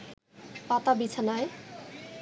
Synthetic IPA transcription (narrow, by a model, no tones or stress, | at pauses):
pat̪abit͡sʰanaj